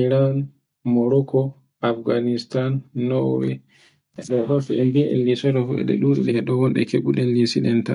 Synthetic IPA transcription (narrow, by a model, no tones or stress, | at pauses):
iɾan | mɔɾɔkɔ | afɡanistanːɔwɛ | ɛɗɔhafɛɛnbiʔɛ̰nlisɔɾɔfuɛ̰ɗɛ̰ɗuɗɛɗɛɛɗɔhɔnɗɛ̰keɡuɗɛnlisiɗɛnta